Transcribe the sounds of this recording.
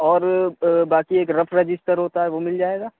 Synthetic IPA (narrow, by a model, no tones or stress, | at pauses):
ɔːɾbaːkieːkɾɐpʰɾɐd͡ʒɪsʈəɾɦoːt̪aɦɛʋomɪld͡ʒaːeːɡaː